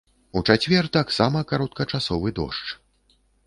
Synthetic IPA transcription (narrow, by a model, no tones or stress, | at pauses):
ut͡ʂat͡sʲvʲɛrt̪aksamɐkaɾɔt̪̚kɐt͡ʂasɔvɨd̪ɔ̰ʂt͡ʂ